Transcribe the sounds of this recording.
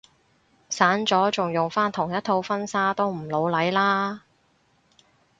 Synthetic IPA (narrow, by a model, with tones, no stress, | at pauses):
saː˨˥nt͡sɔː˨˥t͡sʊ˨ŋjʊ˨ŋfaː˥nt̪ʰʊ˨˩ŋjɐ˥t̪̚ʰo˧wfɐ˥nsaː˥t̪o˥wm̩˨˩lo˨˧wlɐ˨˥jlaː˥